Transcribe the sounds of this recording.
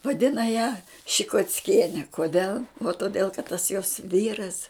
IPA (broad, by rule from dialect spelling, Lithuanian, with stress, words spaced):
ʋɐˈdʲɪnɐ jæː ʃʲɪkoːt͡sʲˈkʲiɛnʲɪ koːˈdʲɛlˠ oː toːˈdʲeːlˠ kɐt tɐs joːs ˈʋʲiːrɐs